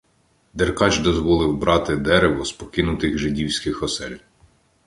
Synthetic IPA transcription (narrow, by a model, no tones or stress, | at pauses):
d̪erkɑt͡ʃd̪ɔzʋɔlˠɪwbɾɑt̪ɪd̪ɛɾeʋɔspɔkɪnʊt̪ɪɣʒɪdʲiwsʲkɪxɔsɛlʲ